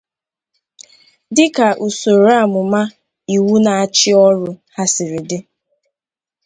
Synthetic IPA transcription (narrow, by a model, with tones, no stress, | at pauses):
dɪ˦ka˨ʔu˨so˨ɾa˦˨mʊ˨ma˦ | i˨wu˦na˨a˨t͡ʃɪ˦ɔ˦ɾʊ˦ha˦sɪ˨ɾɪ˨dɪ˦